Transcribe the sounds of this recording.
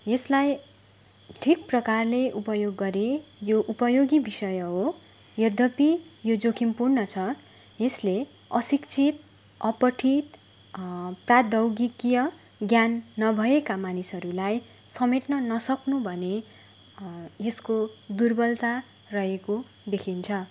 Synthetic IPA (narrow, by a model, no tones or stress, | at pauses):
jeslaj | ʈʰik̚prʌkarleʔupʌjoɡːʌɾejoʔupʌjoɡibisʌjʌɦo | jʌd̪ʱʌpijod͡zokʰimpurnʌt͡sʰʌ | jesle | ʌsikt͡sʰit̪ | ʌpʌʈʰit̪ | prad̪ʌwɡikjʌ | ɡjanːʌbʱʌekamanisɦʌɾulaj | sʌmeʈnʌnʌsʌknubʱʌne | jeskod̪urbʌlt̪a | rʌɦeko | d̪ekʰint͡sʰʌ